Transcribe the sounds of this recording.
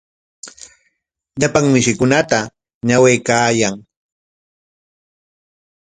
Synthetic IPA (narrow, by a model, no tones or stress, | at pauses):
ʎapaŋmɪʃɪkʊnat̪a | ɲawejkaːjaŋ